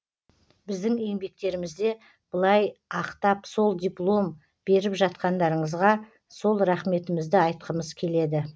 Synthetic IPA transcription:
bɪzd̪ɪŋe̞ŋbe̞k̚t̪e̞ɾɪmɪzd̪e̞ | b̥əlˠɑjɑqt̪ɑpso̞lˠd̪ʲijplˠo̞m | b̥e̞ɾɪpʒɑt̪qɑnd̪ɑɾəɴəzʁɑ | so̞lˠɾɑχme̞t̪ɪmɪzd̪ɪɑjt̪̚qəməzkʲʰe̞le̞d̪ɪ

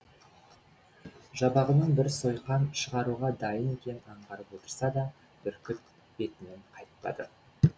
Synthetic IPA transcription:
ʒɑbɑʁənəɴbɪɾso̞jqɑnʃəʁɑɾuʁɑd̪ɑjənkʲʰe̞nɑɴʁɑɾəpwo̞t̪ə̥ɾsɑd̪ɑ | b̪ʏɾkʲʰʏp̚ | b̥e̞t̪ɪnɪɴqʰɑjt̪pɑ̰d̪ə̰

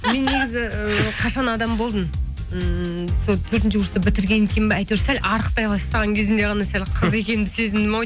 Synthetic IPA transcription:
me̞nːe̞ɡʲɪzɪəqʰɑʃɑnɑd̪ɑmbo̞lˠd̪ən | əsot̪ʰɵɾt̪̬ɪnʃɪɡʰʊɾst̪əbɪt̪ɪɾɡʲe̞nekʲe̞nbeɑjt̪ewɾsælʔɑɾəq̚t̪ɑjbɑst̪ɑʁɑŋkʲʰe̞zɪnd̪e̞ʁɑnɑsælʲqʰəze̞kʲe̞nɪnd̪ɪse̞zɪnd̪ɪmoj

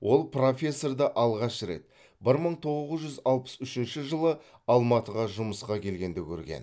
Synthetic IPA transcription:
wʔo̞lˠpro̞fʲe̞sːo̞rd̪ɑʔɑlˠʁɑʃɾe̞̰t̪ | bɪɾməɴt̪ʰo̞ʁəʁəzʒʏzɑlˠpə̥sʏʃɪnʃɪʒəlˠə | ɑlˠmɑt̪əʁɑʒʊməsqɑkʲʰe̞lɡʲe̞nd̪ekʲʰɵ̰ɾɡʲe̞̰n

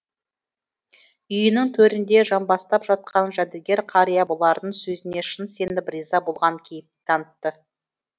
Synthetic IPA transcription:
ʏjənɪŋt̪ʰɵɾɪnd̪e̞ʒɑmbɑst̪ɑpʒɑt̪̚qɑnʒæd̪elɡʲe̞ɾqʰɑɾijabolˠɑɾd̪əɴsɵzɪne̞ʃənse̞nɪbɾizɑbo̞lˠʁɑŋkʲʰejɪp̪̚t̪ʰɑnət̪ːə

